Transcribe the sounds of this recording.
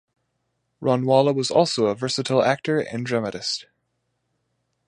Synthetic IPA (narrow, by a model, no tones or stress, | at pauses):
ɹʔɑ̃nwɑlˠəwʌzɔ̰lˠsoʊəvɜ˞sɨɾʰl̩ˠæk̚tə˞ɨ̰̃ndɹɛməɾɨst̚